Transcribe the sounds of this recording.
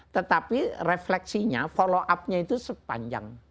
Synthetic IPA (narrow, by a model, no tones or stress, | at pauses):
t̪ət̪apireflɛk̚siɲa̰fɔloʔap̚ɲait̪usəpa̰ɲd͡ʒa̰ŋ